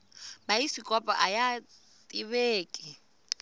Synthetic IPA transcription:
baisikʼɔpʼa̰ʔaja | tʼiβeːkʼɪ

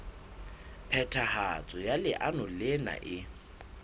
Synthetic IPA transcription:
pʰɛtʰahat͡sʼɔjalɪʔanʊlɪna̰ʔɪ

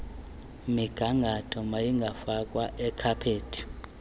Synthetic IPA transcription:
miɡ̥ʱaŋɡʱatʰɔmajiŋɡʱafakʼwaʔɛkʰapʰeːtʰi̥

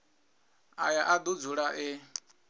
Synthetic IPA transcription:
a̰jaʔad̪ud͡zuɺaʔɪ

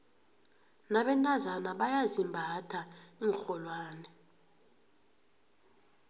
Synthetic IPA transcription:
naɓɛntʼazanaɓajazimbʱatʰaiŋxɔlwaːnɛ

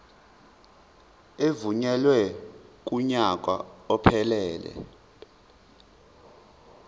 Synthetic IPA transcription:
evuɲɛlwɛk̬ʼuɲak̬ʼwaɔpʰɛlɛːlɛ̰

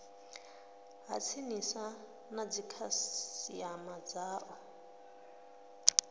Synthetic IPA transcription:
ɦa̰t͡sʰinisa | nad͡zikʰasiamad͡zaːʔɔ

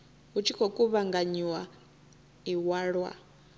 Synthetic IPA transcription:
ɦut͡ʃʰikʰɔkʼuβaŋɡaɲiwa | iwaːɺwa̰

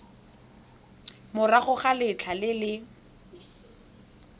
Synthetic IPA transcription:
mʊraχʊχalɪt͡ɬʰalɪlɪ

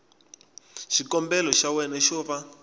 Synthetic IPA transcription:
ʃikɔmbɛlɔʃawɛnɛʃɔβa

